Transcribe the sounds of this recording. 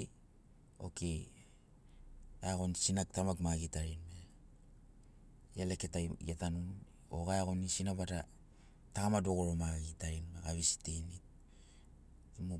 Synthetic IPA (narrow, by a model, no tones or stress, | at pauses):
o̞̰ke | eaɣo̞nsinak̚tamaɡmaɡitaɾinme | jale̞keta̰atanun | o̰ɡaeaɣo̞nisinaβada | takamadoɣoɾomaɡitaɾinmeɡaβisi̥tenit̚ | imu